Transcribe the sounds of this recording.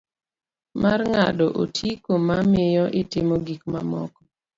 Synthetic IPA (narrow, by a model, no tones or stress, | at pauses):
marŋadɔʔo̰tʰikomamɪjɔʔɪtɪmoɡikmamɔ̰kɔ̥